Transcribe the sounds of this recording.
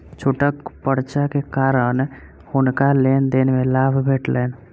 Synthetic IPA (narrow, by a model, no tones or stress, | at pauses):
t͡ʃʰoːʈəkpəɽt͡ʃakekaːɾən | hʊnkaleːnd̪enmẽlaːbʱbʱeːʈleːn